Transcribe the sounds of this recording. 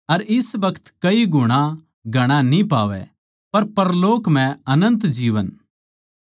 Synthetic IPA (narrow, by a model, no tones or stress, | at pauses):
ɐɾɪsbɐkʰə̥t̪kɐiɡʱʊɽ̃a | ɡʱɐɽ̃anĩpaːʋɛ̰ | pɐɾpɐɾloːkm̤ɛ̃ɐnə̃nt̪d͡ʒiːʋə̰n